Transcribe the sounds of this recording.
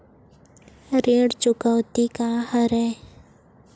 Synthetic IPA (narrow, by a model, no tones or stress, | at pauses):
ɾeːɽt͡ʃʊkəwt̪ikahəɾɛː